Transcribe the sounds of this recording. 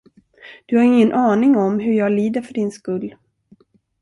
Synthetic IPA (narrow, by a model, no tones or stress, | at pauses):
d̪̥ɵhaɾɪŋːənʔɑːnɪŋɔmɦɵɾjɑːɡliːd̪əɾfœɖɪnskɵlː